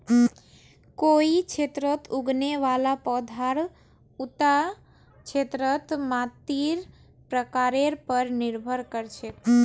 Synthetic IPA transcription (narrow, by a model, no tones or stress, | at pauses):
koikt͡ʃʰet̪ɾət̪uɡneʋalapɔd̪ʱaɾ | ut̪a | t͡ʃʰet̪ɾət̪mãt̪iɾ | pɾəkaɾeɾpəɾnɪɾbʱəɾkəɾt͡ʃʰe